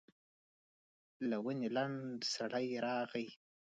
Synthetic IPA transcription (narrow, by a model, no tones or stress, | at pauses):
lawənelaɳɖsaɽajɾɑɣaj